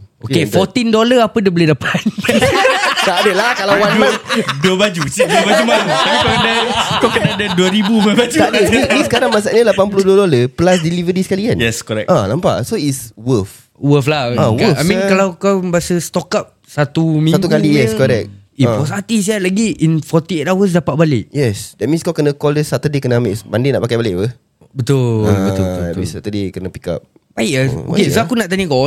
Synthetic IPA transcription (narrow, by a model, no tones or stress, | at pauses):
okefɔt̪indoləapədəbəlidapʰat̪ | t̪adəlakalawwanaduəbad͡ʒusidubad͡ʒumauaikakdakakənadaduəɾibubabad͡ʒut̪adəmĩmĩsə̥kaɾaŋmas̬aʔɲəlapanpuluduədoləpəlas̬dilivəɾisəkalikanjɛskɔɾɛ̰k̚alampa̰ʔsoiswəf | wəflaawəfajmĩnkalawkawbiasəst̪ɔkap̚sat̪umĩsat̪ukalijɛskɔɾɛk̚iɔsat̪is̬ialaɡiinfɔt̪iet̪awəs̬dapat̪̚baleʔjɛsdɛt̚mĩnskawkənəkɔldəsat̪ədekənəameʔsbandena̰ʔpakajbaleʔpə | bət̪ʊlɛmĩsat̪ədekənəpika̰p̚ | baɪʔaoakesoakunaʔt̪anikɔ